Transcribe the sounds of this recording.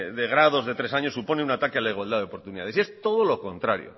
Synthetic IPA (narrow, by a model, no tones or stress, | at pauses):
ðeɣ̞ɾaðo̞zðe̞t̪ɾesaɲo̞sːupo̞neunat̪akealaiɣwald̪aðeopo̞ɾt̪uniða̰ðe̞sie̞st̪o̞ð̞olo̞ko̞nt̪ɾa̰ɾjo̰